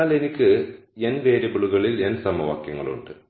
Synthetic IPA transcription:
aːle̞nikʲːɨ | e̞nʋeːɾebiɭuɣɐɭilensɐmɐʋa̰ːkjɐŋːɐɭṵɳɖɨ

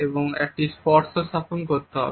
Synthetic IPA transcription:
eboŋɛ̰k̚ʈispɔɾsosaponkoɾt̪eɦɔ̰

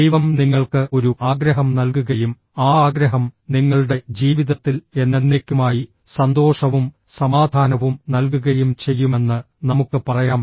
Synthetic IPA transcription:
d̪ejʋɐmniŋːɐɭkɨo̞ɾuʔaːɡɾɐɦɐmnɐlkuɣɐjum | aːaːɡɾɐɦɐmniŋːɐɭuɽe̞d͡ʑiːʋiðɐt̪ːile̞nːe̞nːe̞ːkʲːumaːji | sɐnd̪o̞ːʂɐʋum | sɐmaːd̪ʱaːnɐʋumnɐlk̬uɣɐjumt͡ɕe̞jːume̞nːɨ | nɐmukːɨpɐrɐjaːm

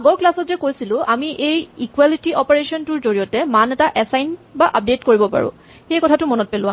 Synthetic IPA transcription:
aɡɔɹklasɔtzɛkojsilʊ̃ʔamiʔejikwalitiɔpeɹesɔntʊɹzoɹijɔtɛmanɛtaʔɛsajnbaʔap̚detkoɹibɔpa̰ɹʊ̰̃ | xejkɔtʰatʊmɔnɔt̚pelʊ̃a

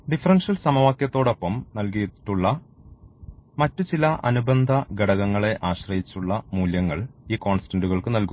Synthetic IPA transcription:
ɖifɐrɐnʂɐlsɐmɐʋaːkjɐt̪ːo̞ːɽo̞pːɐmnɐlkijɐt̪ːi̥ʈːuɭːɐ | mɐtːut͡ɕilɐʔɐnubɐnd̪ʱɐɡɐɽɐɣɐŋːɐɭe̞ʔaːɕrɐjit͡ɕːuɭːɐmuːljɐŋːɐɭiːko̞ːnsi̥tɐnɖuɣɐɭkɨnɐlku

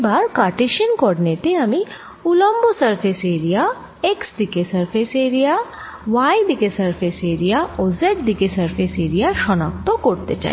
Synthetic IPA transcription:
baɾkaɾʈeʃənkɔɽineʈeami | ulɔmbosɐɾpʰeseɾija | eksd̪ikesəɾpʰeseɾija | ʋaid̪ikesɐɾpʰeseɾijaozeʈ̚d̪ikesɐɾpʰeseɾijaʃɔnak̚t̪okɔɾt̪et͡ʃa̰ɦi

